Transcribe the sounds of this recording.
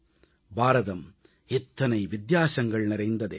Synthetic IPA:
baːɾɐðɐm | ɛt̪ːɐnɐɪʋɪd̪jaːsɐŋɡɐɭnɪɾɐɪnd̪ɐðḛː

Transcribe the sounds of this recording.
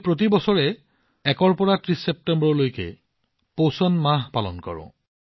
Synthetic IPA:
pɹot̬ibɔsɔɹɛ | ɛkɔɹpɔɹatɹisːɛp̚tɛmbɔɹɔlojkɛ̰ | posɔnmaɦpalɔ̰nkɔ̰ɹɔ̰̃

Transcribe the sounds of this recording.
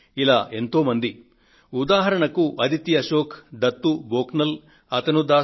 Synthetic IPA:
ilaːʔe̞nt̪oːmɐnd̪i | ud̪aːɦɐɾɐɳɐkuʔɐd̪ʱit̪jɐʃoːkʰd̪ɐt̪ːuboːknɐl | ɐt̪ɐnud̪aː

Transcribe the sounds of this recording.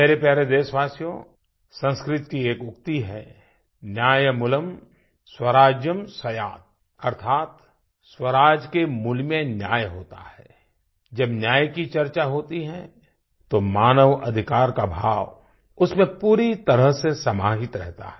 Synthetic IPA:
meːɾepɛɦɾed̪eːsʋaːsjõ̰ | sə̃nskɾɪt̪kieːkʊkt̪iɦɛ | njaːjmʊləm | swəɾaːd͡ʒjəmsɐjaːt̪̚ | ɐɾt̪ʰaːt̪ | swəɾaːd͡ʒkemʊlmẽnjaːjɦoːt̪a̰ɦɛː | d͡ʒɐbnjaːjkit͡ʃɐɾt͡ʃaɦoːt̪iɦɛ̃ | t̪omaːnəʋɐd̪ʱɪkaːɾkabʱaːʋ | ʊsmẽpuːɾit̪ɐɾəɦsesɐmaːɦɪt̪ɾɛ̰ɦt̪a̰ɦɛ

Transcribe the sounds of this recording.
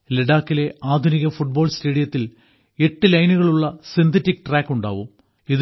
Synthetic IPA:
leɽaːkːile̞ʔaːd̪ʱuniɣɐfuʈ̚bo̞ːɭste̞ːɽijɐt̪ːil | e̞ʈːɨlɐjnuɣɐɭuɭːɐsint̪ʰɐtːik̚ːʈraːkːuɳɖa̰ːʋum | ið

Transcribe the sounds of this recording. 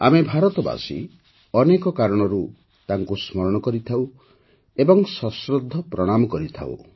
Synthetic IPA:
a̰mebʱaɾɔt̪ɔba̰sḭ | ɔnekɔkaɾɔɽ̃ɔɾu | t̪aŋkusmɔɾɔɽ̃ɔkɔɾit̪ʰaw | ebɔŋsɔsɾɔd̪ʱːɔpɾɔɽ̃amɔkɔɾit̪ʰa̰w̰

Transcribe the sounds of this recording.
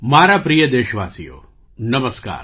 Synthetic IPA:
maːɾapɾijəd̪eːʃʋaːsijo̰ː | nɐməska̰ːɾ

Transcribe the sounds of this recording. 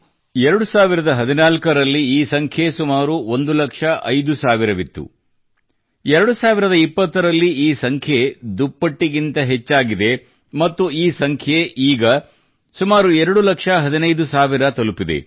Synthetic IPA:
ɛɾɐɽusaːʋiɾɐd̪ɐɦɐd̪inaːlkɐɾɐlːiiːsɐŋkʰjesumaːɾuo̞nd̪ulɐkʂɐʔɐ̰jd̪usaːʋiɾɐʋit̪ːṵ | ɛɾɐɽusaːʋiɾɐd̪ɐipːɐt̪ːɐɾɐlːiiːsɐŋkʰjed̪upːɐʈːiɡint̪ɐɦet͡ʃːaːɡid̪e̞ | mɐt̪ːuiːsɐŋkʰjeʔiːɡɐ | sumaːɾuɛɾɐɽulɐkʂɐɦɐd̪inɐjd̪usaːʋiɾɐt̪ɐlupid̪e̞̰

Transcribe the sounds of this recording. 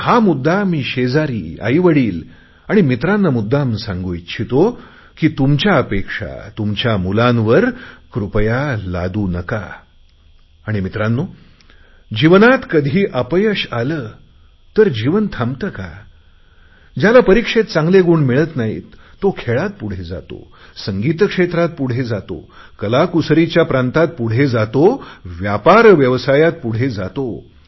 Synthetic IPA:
hamud̪ʱːamiːɕed͡zaɾḭːa̰jʋəɽiːl | aɽ̃imit̪ɾanːəmud̪ʱːamsãŋɡojt͡ɕʰit̪o | kiːt̪umt͡ɕjaəpekʂa̰t̪umt͡ɕjamulãnʋəɾkɾupjala̰d̪uːnəka̰ | ɽ̃imit̪ɾanːo | d͡ʑiʋənat̪kəd̪ʱiːʔəpəjəɕaləː | t̪əɾd͡ʑiʋənt̪ʰamt̪əka̰ | d͡ʑjalapəɾikʂet̪̚t͡sãŋɡleɡuːɳmiɭət̪naɦḭːt̪ː | okʰeɭat̪̚puɽ̤ed͡za̰t̪o̰səŋɡiːt̪əkʂet̪ɾat̪̚puɽ̤ed͡zat̪o̰kəlakusɾit͡ɕjapɾãnt̪at̪̚puɽ̤ed͡zat̪oʋjapaɾʋjəʋsajat̪̚puɽ̤ed͡zat̪o

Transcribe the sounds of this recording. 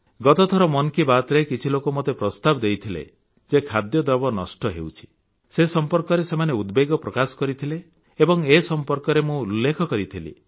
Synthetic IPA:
ɡɔt̪ɔt̪ʰɔɾɔmɔnkibat̪ɾekit͡ʃʰilokomot̪epɾɔst̪abɔd̪ejt̪ʰilḛ | d͡ʒekʰad̪jɔd̪ɔbɔnɔsʈɔɦḛut͡ʃʰi̥ | sesɔmpɔɾkɔɾesemaneud̪beɡɔpɾɔkasɔ̥kɔɾit̪ʰileː | bɔŋesɔmpɔɾkɔɾemũulːekʰɔkɔɾit̪ʰilḭ

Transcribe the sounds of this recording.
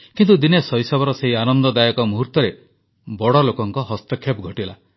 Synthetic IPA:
kint̪ud̪inesɔjsɔbɔɾɔseɦianɔnd̪ɔd̪ajɔkɔmuɦuɾt̪ɔɾe | bɔɽɔlokɔŋkɔɦɔst̪ɔkʰːepɡʱɔʈila

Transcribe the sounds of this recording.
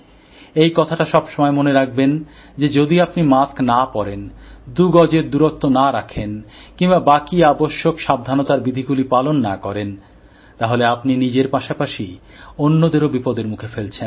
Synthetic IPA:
ejkɔt̪ʰaʈaʃɔbʃomɔemoneɾak̚ʰben | d͡ʑed͡ʑod̪iapnimasknapɔɾend̪uɡɔd͡ʑeɾd̪uɾok̚t̪onaɾakʰenkiŋbabakiaboʃːokʃab̚d̪ʱanot̪aɾbid̪ʱiɡulipalonːakɔɾen | t̪aɦoleapninid͡ʑeɾpaʃapaʃi | onːod̪eɾobipɔd̪eɾmukʰefelt͡ɕʰen

